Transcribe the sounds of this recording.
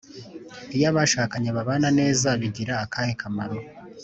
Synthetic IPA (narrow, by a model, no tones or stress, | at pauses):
ijaβaːʃaːkaɲeβaβaːnane̞ːzaβiɟiɾaːkʰaːhekʰamaɾo